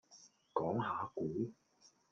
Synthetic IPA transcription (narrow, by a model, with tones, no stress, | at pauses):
kɔː˨˥ŋɦaː˨˧kuː˨˥